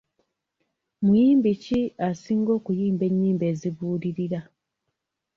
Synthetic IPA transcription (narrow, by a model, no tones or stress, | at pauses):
mujiːmbiciasiːŋɡo̞ːkujiːmbe̞ɲːiːmbe̞ːziβuːliɾiɾa